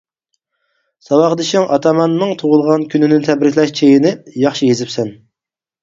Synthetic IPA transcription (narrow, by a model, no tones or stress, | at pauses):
sɑwɑχəd̪ɨʃɪŋʔɑt̪ʰɑmɑnːɨŋt̪ʰoʁʊlˠʁɑnkʲʰynɪnɪt̪ʰɛbɾɪk̪ʲlɛʃt͡ʃʰejinɪjɑχʃijezɪpsɛn